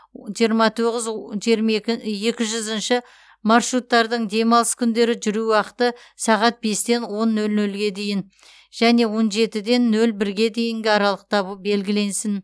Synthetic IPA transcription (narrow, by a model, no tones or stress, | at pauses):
ʒijəɾmɑt̪ʰo̞ʁɪzʒɾje̞kʲɪʒʏzənʃɪ | mɑrʃɾut̪ːɑɾd̪əɴd̪e̞mɑlˠəskʲʰʏnd̪e̞ɾɪʒʏɾuwɑqət̪ə | sɑʁɑt̪̚be̞st̪e̞nwo̞nːɵlnɵlɡʲe̞d̪e̞jɪn | ʒ̥æne̞wo̞nʒe̞t̪ɪd̪e̞nːɵlbɪɾɡʲe̞d̪e̞jɪŋɡʲɪɑɾɑlˠəq̚t̪ʰɑβəbe̞lɡʲɪle̞nsɪn